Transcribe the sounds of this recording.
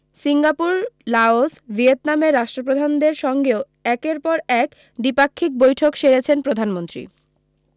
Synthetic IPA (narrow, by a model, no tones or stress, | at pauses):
siŋɡapuɾlaosbʱiet̪nameɾːaʃʈɾopɾod̪ʱand̪eɾʃɔŋɡeo | ɛkeɾpɔɾɛk | ɖipakʰːik̚bojʈʰokʃeɾet͡ɕʰenpɾod̪ʱanmont̪ɾḭ